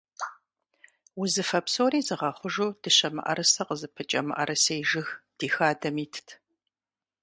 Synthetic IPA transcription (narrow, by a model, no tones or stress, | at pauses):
wʊzɨfɐpsoːriːzɨʁɐχʷʊʒuːd̥ɨɕɐmɨ̰ʔɐ̰ɾɐsɐqəzɨpʰɐt͡ʃʼɐmɨ̰ʔɐɾʔɐsɐjʒɨxd̥iːxaːdɐmiːtʰtʰ